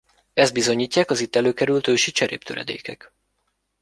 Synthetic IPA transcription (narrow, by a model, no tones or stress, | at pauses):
ɛzd̪̚bizo̞ɲiːcːaːkɒzit̪ːɛløːkɛɾylt̪øːʃit͡ʃɛɾḛːp̚t̪øɾɛ̰d̪ḛːkɛk